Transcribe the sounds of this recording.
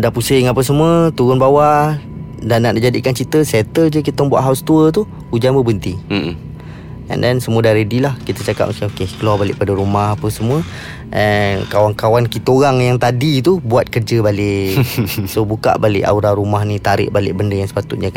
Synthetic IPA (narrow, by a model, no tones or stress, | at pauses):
daʔpusɪŋapəsəmuət̪uɣʊnbawa | danaʔnaʔd͡ʒadikant͡ʃit̪əsɛt̪əd͡ʒək̬it̪aŋbua̰ʔɦawst̪uət̪u | ud͡ʒanbəbənt̪i | ɛ̰ndɛnsəmuədaɾedilahkit̪ət͡ʃaka̰p̚məskɪokekəlabalɪ̰ʔpadəɾumahapəsəmuə | ʔɛnkawaŋkawankit̪əoɾaŋjaŋt̪adit̪ubuat̪̚kərd͡ʒəbalɪʔsobuka̰ʔbalɪ̰ʔa̰uɾaɾumaɦnit̪aɾɪ̰ʔbalɪ̰ʔbəndəjaŋsə̥pat̪ut̪̚ɲaka